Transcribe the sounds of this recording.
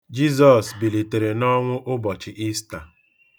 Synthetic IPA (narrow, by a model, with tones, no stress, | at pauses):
d͡ʒi˦z̬ɔ˨sbi˨li˨te˨ɾe˨nɔ˦ŋʷʊ˦ʔʊ˦bɔ˨t͡ʃɪ˨ʔi˦sta˨